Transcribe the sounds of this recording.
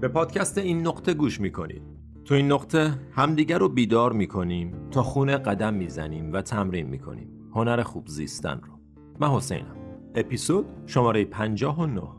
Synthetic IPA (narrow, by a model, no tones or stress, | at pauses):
be̞pʰɒːd̪̥cʰæst̪eiːnːoqt̪ʰe̞ɡuːʃmiːkʰo̞nḭːd̪̥̚ | t̪ʰoiːnːoqt̪ʰehæmd̪iːɟæɾobiːd̪ɒːɾmiːkʰo̞niːmt̪ʰɒːxuːneɢæd̪æmːiːzæniːmvæt̪ʰæmɾiːnmḭːkʰo̞̰nḭːm | ho̞næɾexuːbzḭːst̪æ̰nro | mænho̞sḛjnæ̰me̞pisod̪̥̚ʃomɒːɾe̞jepʰænd͡ʒɒːɦono̰h